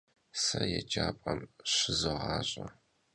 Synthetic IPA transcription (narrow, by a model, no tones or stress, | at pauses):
sɐjɛd͡ʒaːpʼɐmɕɪzɨʁɑːɕʼɐ